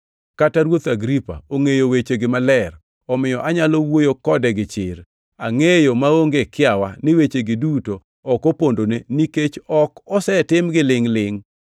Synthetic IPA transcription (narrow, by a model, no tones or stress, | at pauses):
kataɾwot̪aɡɾipa̰oŋejowet͡ʃeɡɪmalɛr | ɔmɪjɔʔaɲalowojokɔdɛɡɪt͡ʃɪɾ | aŋejomaoŋɡekɪawanɪwet͡ʃeɡɪdutoː | kopondoneniket͡ʃɔkɔsɛtɪmɡɪlɪŋlɪŋ